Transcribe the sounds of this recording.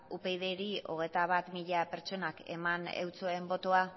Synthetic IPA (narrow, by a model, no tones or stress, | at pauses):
upe̞jðe̞ɾio̞̰ɣ̞e̞jt̪aβ̞at̪miʎape̞ɾt͡ʃo̞nake̞̰manḛwt͡so̞e̞mbo̞t̪o̞a